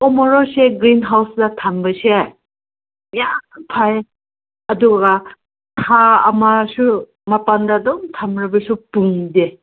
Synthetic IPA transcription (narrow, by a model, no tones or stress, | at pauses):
ɔmɔɾɔseɡɾinɦawsdɐtʰambɐseaj | japʰaj | ɐduɡɐ | tʰaɐ̰masu | mɐpandadɔmtʰamɾɐbɐsupuŋde